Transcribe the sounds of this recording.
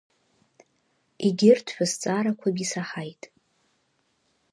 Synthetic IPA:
iɡʲɪrtʰħʷᶣast͡sʼaɾakʷʰabisaħajtʼ

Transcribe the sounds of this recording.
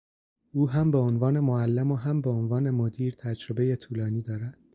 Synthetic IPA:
ʔuːɦæmbe̞onvɒːne̞moælːemoɦæmbeonvɒːne̞mod̪iːɾt̪ʰæd͡ʒɾe̞be̞jet̪ʰuːlɒːniːd̪ɒːɾænd̪̥

